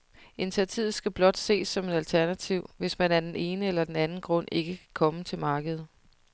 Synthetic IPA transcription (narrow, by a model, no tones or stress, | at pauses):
e̝nt͡sʰiɐt͡sʰið̩ˠsɡ̥æb̥lɒ̽d̥se̝̰ːsːɒ̽me̝dælt͡sʰæɐnæt͡sʰiʊ̰ʋe̝smænæɐd̥ene̝ːnəelɐd̥enænn̩ɡ̥ʁɔ̽n̰e̝ɡ̥əkʰæ̥kʰɒ̽mət͡sʰe̝lmɑ̈ːɡ̥əð̩ˠ